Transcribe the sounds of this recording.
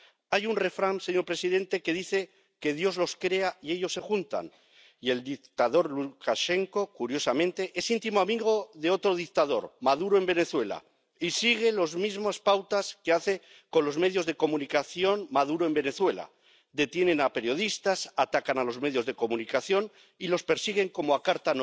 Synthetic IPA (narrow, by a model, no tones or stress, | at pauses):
ajunre̞fɾanseɲo̞ɾpɾe̞siðe̞nt̪e̞ke̞ðiθe̞ | ke̞ð̞jo̞zlo̞skɾe̞aie̞ʎo̞sːe̞xunt̪a̰n | ie̞ld̪ikt̪aðo̞ɾlukaʃe̞ŋko̞kuɾjo̞samẽ̞nt̪e̞ʔe̞sint̪imoamiɣo̞ðeo̞t̪ɾo̞ð̞ik̚t̪að̞o̞ɾmaðuɾoe̞mbe̞ne̞θwe̞la̰ | isiɣ̞e̞lo̞zmizmospawt̪aske̞aθe̞ | ko̞nlo̞zme̞ðjo̞zðe̞ko̞mũnikaθjo̞nmaðuɾoe̞mbe̞ne̞θwe̞la̰ | d̪e̞t̪je̞nẽ̞nape̞ɾjo̞ðist̪asat̪akanalo̞zme̞ðjo̞zðe̞ko̞munikaθjo̞n | ilo̞spe̞ɾsiɣ̞e̞ŋko̞moakaɾt̪an